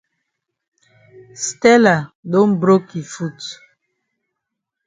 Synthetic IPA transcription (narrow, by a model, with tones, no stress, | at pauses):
stɛ˦la˨dõ˦nbɾo˦ki˨fu˦˨t